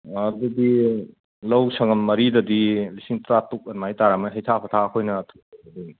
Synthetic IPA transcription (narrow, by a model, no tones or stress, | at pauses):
ɐdudi | lɐwsʰɐŋɐmmɐɾidɐdilisiŋtɾatuk̚ɐnmajtaɾamɐɦɐjtʰapʰɐtʰaɐkʰojnɐːtʰuk̚ɐdi